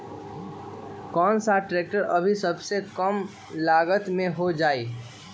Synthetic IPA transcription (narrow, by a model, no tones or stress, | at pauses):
kɔːnsaʈɾeːk̚ʈəɾɐbʱisɐbsekəm | laːɡət̪mẽɦod͡ʒaːiː